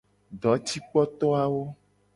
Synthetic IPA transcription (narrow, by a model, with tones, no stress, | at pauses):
ɖɔ˨˦t͡ɕi˦k͡pɔ˦t̪ɔ˦a˦wo˦